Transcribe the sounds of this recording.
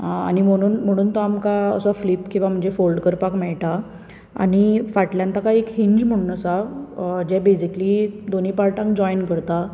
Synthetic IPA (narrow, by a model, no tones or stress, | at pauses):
a̰ñim̤əɽ̃uːnm̤əɽ̃uːnt̪oamkaə̰sɔflipkĩw̃ʋam̤əɳd͡zefolɖkəɾpakmɛɭʈa | a̰ɽ̃ifaʈljãnt̪akaekhiɲd͡ʑm̤əɽ̃uːnəsad͡ʑɛ̃besiklid̪onipaɾʈãŋkd͡ʑɔjnkəɾt̪a